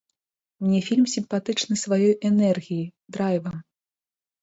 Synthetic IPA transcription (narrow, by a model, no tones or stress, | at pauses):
mnʲɛfʲilʲmsʲimpat̪ɨt͡ʂnɨsvajɔjʔɛnɛrɣʲijid̪ɾajvɐm